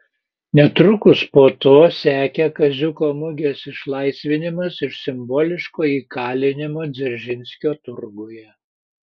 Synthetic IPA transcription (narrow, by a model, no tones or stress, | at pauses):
nʲɛt̪ɾʊkʊspoːt̪oːsʲæːkʲɛkɐzʲʊkoːmʊɡʲesɪʃlˠɐɪsʲʋʲɪnʲɪmɐsɪʃsʲɪmboːlʲɪʃkoːiːkɑːlʲɪnʲɪmoːd̪zʲɪɾʲʒʲɪnʲsʲkʲoːt̪ʊɾɡojɛ